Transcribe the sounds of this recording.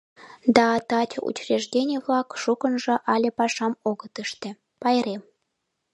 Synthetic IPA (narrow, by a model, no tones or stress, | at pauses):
d̪ɑt̪ɑtʲṵt͡ɕreʒdʲenʲeβlɑkʃukənʒɤ̆ʔɑlʲĕpɑʃɑmoɣət̪əʃt̪ĕ | pɑjɾem